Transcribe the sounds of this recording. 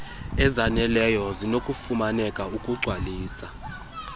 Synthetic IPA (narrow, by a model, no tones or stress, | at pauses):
ɛzanɛlɛjɔzinokʼufumanɛkʼaukʼuɡ͡ǀʱwaliːsa